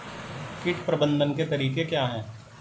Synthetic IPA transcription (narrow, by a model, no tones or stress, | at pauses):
kɪʈpɾɐbə̃nd̪ʱənket̪ɐɾiːkekjaːɦɛ̃ː